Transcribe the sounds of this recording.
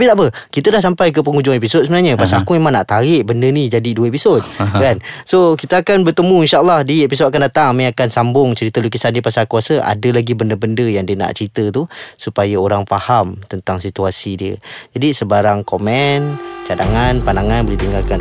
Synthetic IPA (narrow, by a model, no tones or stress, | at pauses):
apit̪aʔpə | kit̪ədahs̬ampajk̬əp̬əŋud͡ʒʊŋepisod̪̚səmənaɲəpasalkuimanaʔt̪aɾɪʔbəndənid͡ʒadiduəepisod̚kansokit̪əakanbərt̪əmũinʃaəlːɑhdiepisod̚akandat̪aŋamãakansambʊŋt͡ʃəɾit̪əloɡisandiəpasalkuasəʔa̰dəlaɡibəndəbəndəjaŋdiəna̰ʔt͡ʃəɾit̪ət̪usupajaoɾaŋfahamt̪ənt̪aŋsit̪uasidiə̰d͡ʒadisəbaɾaŋkomɛnt͡ʃada̰ŋanpanaŋanbolɛht̪iŋɡalkan